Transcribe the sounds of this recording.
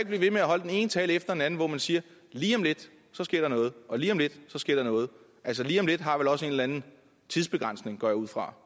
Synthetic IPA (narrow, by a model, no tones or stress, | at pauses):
eɡ̥̚b̥liʋe̝meæɦɒ̽ldene̝ːnət͡sʰɛːlefd̥ɐd̥enænn̩ʋɒmænsiːɐ | liːɒ̽mle̝d̥ | sɒ̽sɡ̥e̝ɐ̰ɾ̥ɑ̈nɔ̽ːð̞̩ˠʔɒ̽liːɒ̽mle̝d̥sɒ̽sɡ̥e̝ɐ̰d̥ɑnɔ̽ːð̞̩ˠ | ʔælsəliːɒ̽mle̝d̥ɦɑ̈ʋelɒ̽se̝ːnllænn̩ | t͡sʰiðˠsb̥e̝ɡ̥ʁɑ̈n̰sne̝ŋɡ̥ɒ̰juð̰ˠfʁɑ̈